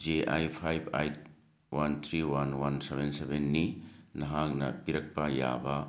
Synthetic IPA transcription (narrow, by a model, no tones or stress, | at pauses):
d͡ʒeʔajpʰajbajt̚ | want̪ʰɾiwanwansebensebenːinɐɦaknɐ̰piɾɐk̚pɐja̰bɐ